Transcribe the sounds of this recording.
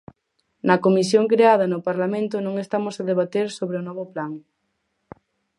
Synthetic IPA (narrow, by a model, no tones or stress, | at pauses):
nɐkomisjoŋkɾeað̞ɐnʊpaɾlamẽnt̪ʊnõŋest̪amʊsaðeβat̪eɾsoβɾeʊnɔβʊplaŋ